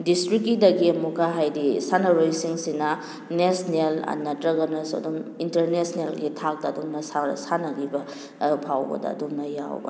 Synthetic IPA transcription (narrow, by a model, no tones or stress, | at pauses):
distɾikːidɐɡiɐmuɡaɦajdisanɐɾojsiŋsinɐ | nesnelɐ̰nːɐtɾɐɡɐnɐsɐ̰dumintɐɾnesnelɡitʰak̚dɐːdumnɐsasanɐɡibɐ | pʰawbɐ̰dɐ̰ːdumnɐja̰wbɐ̰